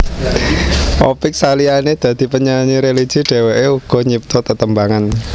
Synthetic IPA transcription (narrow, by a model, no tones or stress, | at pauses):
ʔɔpɪk̚salianed̪̥ä̤d̪̥i̤pəɲaɲiɾeli̥ʒ̥i̤ɖ̥e̤weʔeuɡ̥ɔ̤ɲip̚t̪ɔt̪ət̪əmbaŋan